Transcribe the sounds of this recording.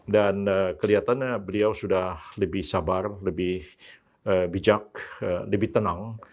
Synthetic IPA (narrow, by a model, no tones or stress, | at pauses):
danəkəliat̪anbəliawsudahləbɪhsabarləbɪh | əbid͡ʒak̚ələbɪht̪ənaŋ